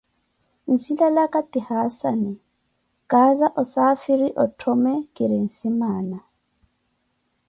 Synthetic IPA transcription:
n̩silalakʼatʼihasa̰nɛ | kʼazaʔɔsafiɾiʔɔtʰɔmɛkʼɪɾɪŋ̩simaːna

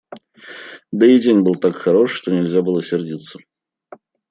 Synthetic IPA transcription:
d̪əidʲenʲbɨlˠt̪akxɐɾo̞ʂːt̪onʲɪlʲzʲabɨlˠəsʲɪrdʲit̪sə

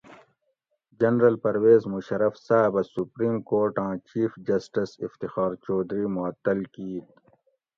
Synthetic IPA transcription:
d͡ʑɐnɾɐlpɐɾweːzmuɕɐɾɐfsaːbɐsupɾiːmkoːɾʈãːt͡ɕiːfd͡ʑɐsʈisift̪ixɑːɾt͡ʃɔːd̪ɾiːmʊɐt̪ːɐlkiːt̪

